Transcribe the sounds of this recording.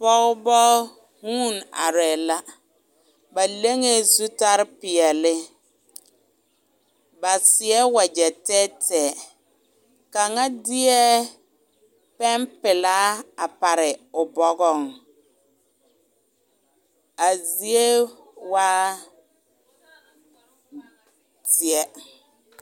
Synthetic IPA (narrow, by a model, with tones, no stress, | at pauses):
pɔ˦ɣbɔ˦ | hũː˦˨na̰˨ɾɛː˨la˦ | ba˨le˦ŋe˦zu˦ta˦ɾɪ˦pɪ˨ɛ˨lɪ˦ | ba˨sɪ˨ɛ˦wa˨d͡ʒɛ˨tɛ˦tɛː˨ | ka˨ŋa˦dɪ˦ɛ˦ | pɛ˦mpɪ˨la˦a˨pa˨ɾɪ˨ʊ˨bɔ˦ɡɔ˦˨ŋ | a˨zi˦e˦ | waː˦ | tɪ˨ɛ˦